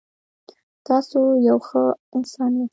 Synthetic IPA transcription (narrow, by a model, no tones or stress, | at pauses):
t̪ɑsojawxəɪnsɑnje